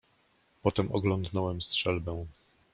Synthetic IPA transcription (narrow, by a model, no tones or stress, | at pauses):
pɔt̪ɛmɔɡlɔnd̪nɔwɛmstʂɛlbɛ̃w̃